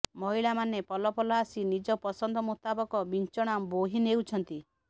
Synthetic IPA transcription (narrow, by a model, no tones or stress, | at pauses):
mɔɦiɭamanepɔlɔpɔlaːsinid͡ʒɔpɔsɔnd̪ʱɔmut̪abɔkɔbint͡ʃɔɽ̃amboɦinewt͡ʃʰɔnt̪i